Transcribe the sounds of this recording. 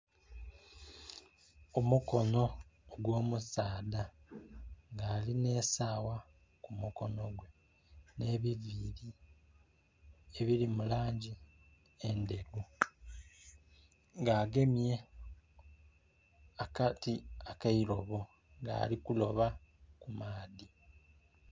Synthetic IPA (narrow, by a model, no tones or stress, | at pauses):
omuko̞no̞ɡwo̞ːmusaːda | ŋɡaːline̞ːsaːwa | kumuko̞no̞ɡwe̞ | ne̞βiviɾi | eβiɾimulaːɲɟi | ende̞ɾu | ŋɡaːɡe̞mje̞ | akatiakaiɾo̞βo̞ | ŋɡa̰ːlikulo̞βakumaːði